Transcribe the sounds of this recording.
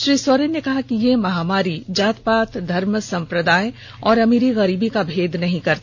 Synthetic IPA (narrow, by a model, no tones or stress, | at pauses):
ʃɾiːswoɾennekɐɦakijemɐɦaːmaːɾid͡ʒaːt̪paːt̪d̪ʱɐɾmsɐ̃mpɾəd̪aːj | ɔːɾɐmiɾiɣɐɾiːbikabʱeːd̪nɐɦĩkɐɾt̪ː